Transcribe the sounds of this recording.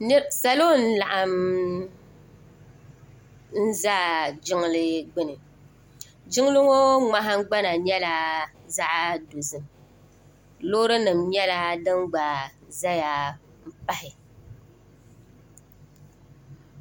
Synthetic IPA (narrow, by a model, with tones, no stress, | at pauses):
n˦˨sa˨lo˦˨n̩˦la˨ʔa˨m | n̩˦za˦d͡ʒɪ˦ŋ˦lɨ˦ɡ͡bɪ˦nɨ˨ | d͡ʒɪ˦ŋ˦lɨ˦ŋo˦ŋ͡ma˦ɦa˦ɡ͡ba˦na˨ɲɛ˦la˦za˦ʔa˦do˨zɨ˨m | lo˦ɾɨ˦nɨ˨mːjɛ˦la˦dɨ˦ŋɡ͡ba˨za˦ja˨ | m̩˦pa˦hɪ˨